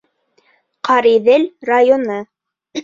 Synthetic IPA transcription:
qʰɑɾiðɘlrajonɤ

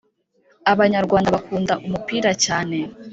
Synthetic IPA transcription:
aβaɲaɾɡwaːndaβakuːndaʔumupiːɾacaːne̞

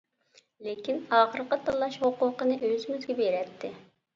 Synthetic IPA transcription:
lekʲinɑːχəɾqət̪ʰɑlˠːɑʃhoqʊːqənɨʔøzɪmyzɡʲɛbeɾɛt̪ʰːɪ

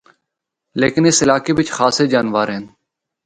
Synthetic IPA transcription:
lḛːkɪnɪsɪlaːkeːbɪt͡ʃxaːseːd͡ʒaːnʋaːɾɦeːn

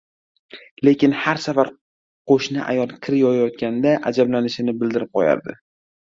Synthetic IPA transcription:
le̞kʲɪnhaɾsafaɾ | qʰoʃnɪʔa̰jɒlˠkʲʰɪɾɪjɒjajɒt̪̚kʲand̪aʔad͡ʒablanɪʃɪnɪbɪld̪ɪɾɪp̚qʰɒja̰ɾd̪ɪ̰

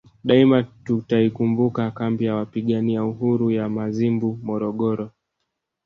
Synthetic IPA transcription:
ɗaimatutaikumbukakambijawapiɠaniauhuɾujamazimbumɔɾɔɠɔɾɔ

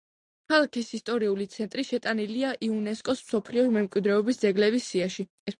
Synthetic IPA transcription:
kʰalˠakʰisist̪ʼɔɾiulit̪sʰɛnt̪ʼɾiʃɛt̪ʼaniliaʔiunɛskʼɔsmsɔpʰliɔɾmɛmkʼwid̪ɾɛɔbisd̪zɛɡlɛbisːiaʃi | ɛs

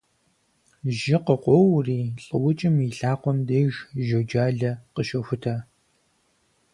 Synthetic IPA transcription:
ʒɪqəqʷɔwriːɬʼɨwʊt͡ʃʼɪmiɬaːqʷɔmdejʒʒɐwd͡ʒaːɮɐqəʃɐxʷʊtʰaː

